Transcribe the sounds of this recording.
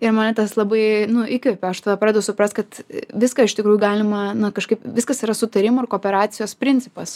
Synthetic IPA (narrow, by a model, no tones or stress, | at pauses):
ɪɾmɐːnʲɐt̪ɐslˠɐbɐɪnʊʔɪkʲʋʲɛpʲɛɐʃt̪ɐʋɐpɾɑːd̪ʲejɛʊsʊpɾɐsʲt̪̚kɐt̪ʋʲɪskɐɪʃt̪ʲɪkɾuːjʊɡɑːlʲɪmɐnɐkɐʃkɐɪpʋʲɪskɐsiɾɐsʊt̪ɐɾʲɪmʊɪrkoːpʲɛɾɑːt̪sʲɪjoːspʲɾʲɪnʲt͡sʲsʲɪpɐs